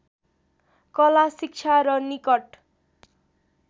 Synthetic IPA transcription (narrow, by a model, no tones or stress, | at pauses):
kʌlasik̚t͡ʃʰaɾʌnikʌʈ